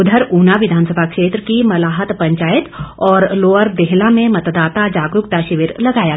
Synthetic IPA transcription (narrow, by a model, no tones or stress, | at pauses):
ʊd̪ʱəɾuːnaʋɪd̪ʱaːnsəbʱakʃeːt̪ɾəkimɐlaːɦət̪pɐ̃ɲt͡ʃaːjɪt̪ɔːɾloːəɾd̪eɦlamẽmɐt̪d̪aːt̪ad͡ʒaːɡɾʊkt̪aʃɪʋɪɾlɐɡaːja